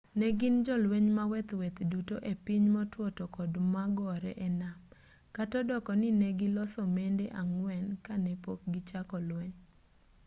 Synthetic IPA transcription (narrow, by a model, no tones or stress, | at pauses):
nɛɡɪnd͡ʒɔlweɲmawɛt̪wɛt̪dutoʔepiɲmɔtwɔtɔkɔdmaɡɔɾɛ̰ʔɛnam | katɔdɔkɔnɪnɛɡɪlɔsɔmendeʔaŋwɛnkanɛpok̚ɡɪt͡ʃakɔlweɲ